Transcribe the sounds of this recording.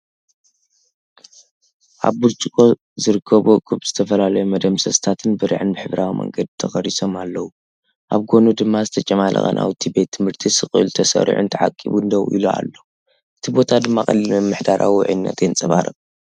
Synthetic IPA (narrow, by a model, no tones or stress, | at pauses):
ʔa̰βːuɾt͡ʃʼikʼo | zɨɾɨkʰːɐβokʼuβz̥ɨt̪ʰɐfɐlalɐjumɐd̪ɐmsɐst̪ʰat̪ʰɨnbɨɾɨ̰ʕɨnbɨħɨβɾawimɐ̰ŋɡɐd̪t̪ʰɐxɐɾiso̞malːɐwu | ʔaβɡo̞nud̪ɨmːazɨt̪ʰɐt͡ʃʼɐmalʔɐ̰xʼɐ̰nʔa̰wt̪ʰibe̞t̪ʰːɨmhɨɾt̪ʰisɨχʼɨlt̪ʰɐsɐ̰ɾ̰ʕṵnt̪ʰɐʕa̰kʼːiβund̪ɐwʔḭloa̰lːo | ʔɨt̪ʰibo̞t̪ʰad̪ɨmːakʼɐlimɨmːɨħd̪aɾʔa̰wiʕɨ̰nːɐ̰t̪ʰent͡sʼɐβaɾɨ